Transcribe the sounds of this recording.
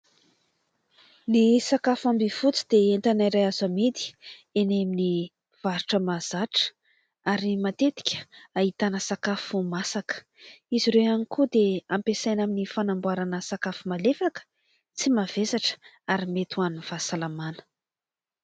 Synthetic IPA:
nisakafambivut͡si̥d̪eenɳt̪anaɾajazamid̪i̥enemini | v̥aɾuʈ͡ʂəmaz̥aʈ͡ʂə̥ | aɾimat̪et̪i̥kʲə̥ait̪anəsakafumasakə̥ | iziɾewanikud̪eampesajnaminifanambuaɾanəsakafumalefakə̥ | t͡simavesaʈ͡ʂ | aɾimet̪uaniv̥asalamanə̥

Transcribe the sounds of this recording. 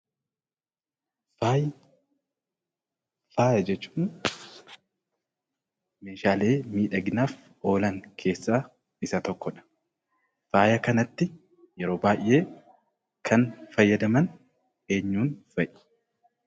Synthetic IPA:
aj | faːjɐd͡ʒɛt͡ʃːu̥ːn | meːʃaːle̞ːmiːᶑɐɡɪnaːf | ʔo̞ːlɐŋkʰe̞ːsːaː | ɪsɐt̪ɔkːɔᶑɐ̥ | faːjɐkɐnɐt̪ːɪ | jɛɾo̞ːbaːʔe̞ː | kʰɐnfɐjːɐd̪ɐmɐn | e̞ːɲːuːnfɐʔɪ̥

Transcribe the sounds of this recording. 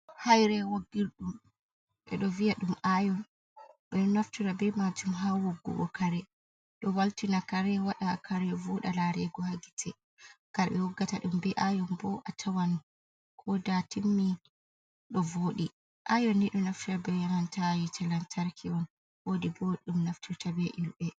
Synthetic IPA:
hajɾɛwoɡːiɾɗum | ɓɛ̰ɗɔvijaɗumʔajɔn | ɓɛɗɔnaftiɾabɛmad͡ʒumɦawoɡːṵɡɔ̰kaɾɛ | ɗɔwaltinakaɾɛwaɗakʰaɾjɔvoɗalaɾɛɡɔhaɡitʰɛ | ɡ̥aɾɓɛwɔɡːataɗumbɛʔajɔmbɔʔatʰawan | kʰɔdatimːi | ɗɔvoːɗi | ʔajɔnːiɗɔnaftiɾabɛjamantajitʰɛlantʰaɾkʰiɔn | wodibɔɗumnaftʰiɾtabɛʔilbɛ

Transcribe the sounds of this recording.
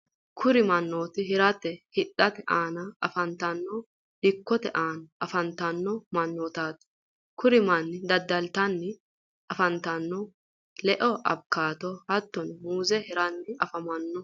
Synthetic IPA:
kʰʊɾɪmɐnːo̞ːt̪ɪɦɪɾɐt̪ɛhɪᶑɐt̪ɛʔaːnɐɐfɐnt̪ɐnːɔ | dɪkːɔt̪ɛʔaːnɐʔɐfɐnt̪ɐnːɔmɐnːɔːt̪aːt̪ | kʰʊɾɪmɐnːɪd̪ɐd̪ːɐlt̪ɐnːɪ | ɐfɐnt̪ɐnːɔ | lɛʔɔʔɐ̰b̚kːaːt̪ɔhɐt̪ːɔnmuːzɛhɪɾɐnːɪɐfɐmɐnːɔ

